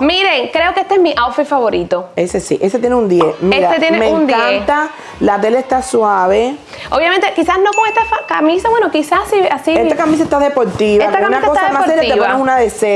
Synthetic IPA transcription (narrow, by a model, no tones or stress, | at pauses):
mĩɾeŋkɾeokeest̪ezmiʔawfefaβo̞ɾit̪oesesḭʔeset̪jeneund̪jemeɾaet̪jenemẽuŋnd̪aent̪a | lat̪̬e̞leːst̪aswaβe̞ | oβjamẽnt̪ekisasnokoŋest̪afakamĩsawenokisasiasiet̪akamisaest̪aðepo̞ɾt̪iβeakt̪aaunaksost̪aaemaɾseɾait̪eβponeŋunaðese